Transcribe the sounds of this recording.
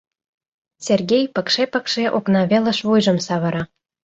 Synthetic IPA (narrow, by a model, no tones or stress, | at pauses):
sʲerɡʲejpə̆kʃepə̆kʃeʔoknɑβelə̆ʃβujʒɤ̆msɑβɤ̆ɾɑ